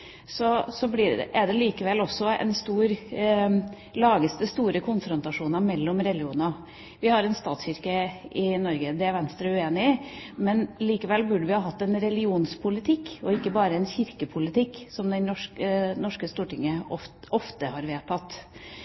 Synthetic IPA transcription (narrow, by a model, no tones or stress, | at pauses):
sɔsɔblɪʔæɖɛliːkəʋɛlːɔsːɔɛ̰nst̪uːɾ | lɑːɡəst̪əst̪uːɾəkʰʊnfɾʊnt̪ɑʂuːnɑmɛlːɔmɾɛlɪuːnɑ | ʋɪhɑɾɛnst̪ɑːt̪sçɪɾkəɪnɔɾɡəd̪ɛæɾʋɛnst̪ɾəʉeːnɪmɛnliːkəʋɛlːbʉɖəʋɪhɑːɦɑt̪ːɛnɾɛlɪuːnspʰʊlɪt̪ʰɪkːɔɪkːəbɑːɾəɛnçɪɾkəpʰʊlɪt̪ʰɪkːsɔmd̪ɛnɔʂkənɔʂkəst̪uːʈɪŋːəɔɔft̪əhɑɾʋeːt̪ʰɑt̪ː